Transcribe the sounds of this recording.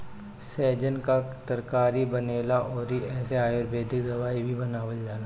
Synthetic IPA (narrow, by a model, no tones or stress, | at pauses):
sɛːd͡ʒənkat̪əɾkaːɾibɐneːlaʔɔːɾɦiɛːseaːjoɾbʱeːd̪ʱɪkd̪ɐʋaːibʱibɐnaːʋəld͡ʒaːla